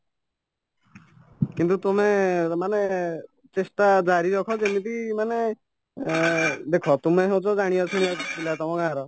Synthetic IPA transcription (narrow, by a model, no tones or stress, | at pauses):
kint̪ut̪umemane | t͡ʃest̪ad͡ʒaɾiɾɔkʰɔd͡ʒemit̪imane | d̪ekʰɔt̪umeɦew̃t͡ʃʰɔd͡ʒaɽ̃ijɔt͡ʃʰuñiɔt͡ʃʰi̥t̪ʰilat̪ɔmɔ̃kãaɾɔ